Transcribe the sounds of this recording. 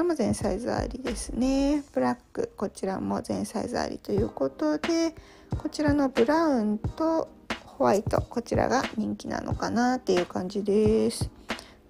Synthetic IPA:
ɾamo̞zẽ̞ɰ̃saiza̰ɾʲid̪e̞sɨne̞b̥ɯ̟ɾakːɯ̟ko̞t͡ɕiɾamo̞̰zẽ̞ɰ̃sa̰iza̰ːɾʲḭt̪o̞jɯ̟ːko̞t̪o̞d̪e̞ | ko̞t͡ɕiɾano̞bɯ̟ɾaɯ̟̃nt̪o̞ | hoβait̪o̞̰ko̞t͡ɕiɾa̰ɡaɲ̟ĩŋkʲina̰nʔo̞̰kanat̪ːe̞jɯ̟ːkãɲ̟d͡ʑid̪e̞sɨ̥

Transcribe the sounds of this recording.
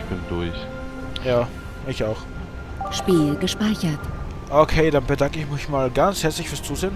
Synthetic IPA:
b̥ɪndʊç | jaː | ɪçaʊx | ʃpiːlɡəʃpaɪçɐt | ʔokʰeːdanbədaŋkəɪçmɪçmaːlɡant͡shɛɐt͡slɪçfyːɐst͡suːzeːn

